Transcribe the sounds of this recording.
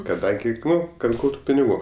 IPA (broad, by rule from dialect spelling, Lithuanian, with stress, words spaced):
kɐˈdɐŋʲɡʲɪ ˈnʊ kɐt ˈɡɐʊtʊ pʲɪnʲɪˈɡuː